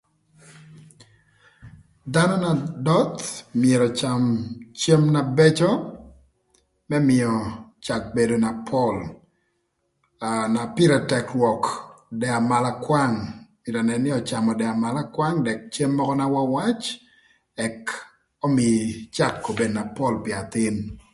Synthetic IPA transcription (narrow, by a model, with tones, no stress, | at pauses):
da˦nɔ˦na˨dɔ˦t̪mɪje˨ɾɔ˨t͡ʃa˨mt͡ʃe˦mna˨bɛ˦t͡ʃɔ˦ | mɛ˦mɪ˨ɔ˨t͡ʃa˨k̚be˨do˨na˨pʰɔ˦l | na˨pɪ˦ɾɛ˨tɛ˨klwɔ˨kdɛ˨a˨ma˨la˦kwa˦ŋmɪ˨ɾa˨nɛ˨nɪ˦ɔ˨t͡ʃa˨mɔ˨dɛ˨a˨ma˨la˦kwa˦ŋdɛ˨k̚t͡ʃe˦mːɔ˦kɔ˦na˦wa˦wa˦t͡ʃ | ɛ˨k | ɔ˦mɪ˨t͡ʃa˦˨kːo˨be˨dna˨pɔ˦lpɪ˨a˨t̪ɪ˦n